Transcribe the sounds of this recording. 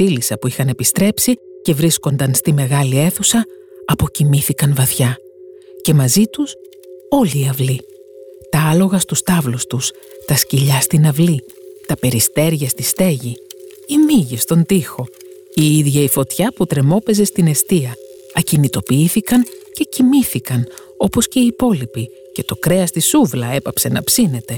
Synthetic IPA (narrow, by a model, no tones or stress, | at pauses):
θilisɐpuixɐne̞pist̪ɾe̞psice̞vɾisko̞nd̪ɐnst̪ime̞ɣɐlie̞θusɐ | ɐpo̞cimiθikɐnvɐθçɐ | ce̞mɐzit̪us | o̞liːɐvli | t̪ɐɐlo̞ɣɐst̪ust̪ɐvlust̪us | t̪ɐsciʎɐst̪inɐvli | t̪ɐpe̞ɾist̪e̞ɾʝɐst̪ist̪e̞ʝi | imiʝist̪o̞nd̪ixo̞ | iiðʝɐifo̞t̪çɐput̪ɾe̞mo̞pe̞ze̞st̪ine̞st̪iɐ | ɐcinit̪o̞piiθikɐnce̞cimiθikɐn | o̞po̞sce̞iːpo̞lipi | ce̞t̪o̞kɾe̞ɐst̪isuvlɐe̞pɐpse̞nɐ̰psine̞t̪e̞